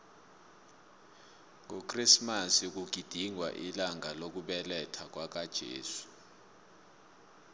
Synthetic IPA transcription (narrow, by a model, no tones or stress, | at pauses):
ŋokʼrismasik̬uɡ̥ʱid̥ʱiŋwa̰ʔilaŋalok̬uɓɛlɛtʰak̬wak̬ad̥ʒ̥ʱḛːsu̥